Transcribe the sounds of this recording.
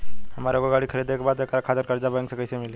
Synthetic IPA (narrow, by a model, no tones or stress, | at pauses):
həmaɾoɡəɡaɽiːkʰəɾeːd̪ekʰbat̪ekʰaɾakʰad̪əɾkəɾd͡ʑabaŋksekəjsemile